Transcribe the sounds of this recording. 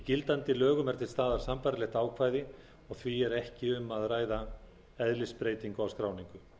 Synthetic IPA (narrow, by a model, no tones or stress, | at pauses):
icɪlt̪ant̪ɪlœːɣʏmɛɾ̥t̪ʰɪlst̪aːðaɾ̥sampaɾlɛxt̪aːwkʰvaːjðɪ | ɔɣθviɛɾɛhcɪʏmːaðraːjða | ɛðlɪspɾeːjt̪iŋkawskɾaːwniŋkʏ